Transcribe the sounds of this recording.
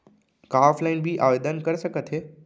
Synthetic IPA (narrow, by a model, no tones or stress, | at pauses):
kaːflaɪnbʱiʔaːʋeːd̪ənkɐɾsɐɡʱət̪ʰeː